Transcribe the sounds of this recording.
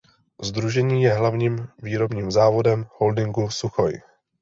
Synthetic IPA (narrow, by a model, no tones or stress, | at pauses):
zd̪ɾuʒɛɲiːjɛɦlavɲiːmviːɾo̞bɲiːmzaːvo̞dɛmho̞ldɪŋɡusuxoj